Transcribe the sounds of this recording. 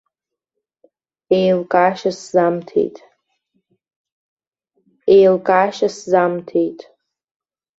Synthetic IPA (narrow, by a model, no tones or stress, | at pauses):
ejlkʼaːʃaszamtʰḛjtʼ | ejlkʼaːʃaszamtʰe̞jtʼ